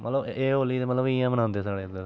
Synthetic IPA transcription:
mət̪ləbeːoːliːt̪emət̪ləbijãːmənãːnd̪eːsaːɽeːd̪e

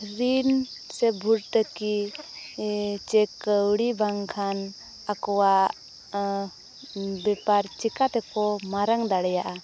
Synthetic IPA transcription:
ɾin | sɛbʱuɾʈ̪əki | t͡ʃɛkəwɽibaŋkʰan | akɔwaʔ | bɛpaɾt͡ʃikat̪ɛkɔmaɾaŋd̪aɽɛjaʔa

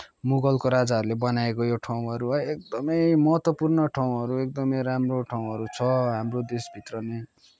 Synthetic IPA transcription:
muɡʌlkoɾad͡zaɦʌɾulebʌnaekojoʈʰaw̃ɦʌɾuʌek̚d̪ʌmʌjmʌɦʌt̪wʌpurnʌʈʰaw̃ɦʌɾuek̚d̪ʌmʌjɾamroʈʰaw̃ɦʌɾut͡sʰʌɦamrod̪esbʱit̪rʌne

